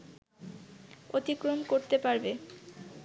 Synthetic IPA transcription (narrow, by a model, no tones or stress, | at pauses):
ot̪ikɾomkoɾt̪epaɾbe